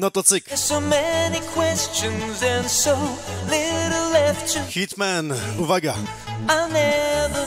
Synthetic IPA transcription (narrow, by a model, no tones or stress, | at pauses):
nɔt̪ɔtsɪksoʊmɛnikʰw̥ɛst͡ʃɨ̃nzɨ̃nsoʊlɪɾl̩ˠlɛft͡ʃɨ̃xit̪manuvaɡa | aɪnɛvə˞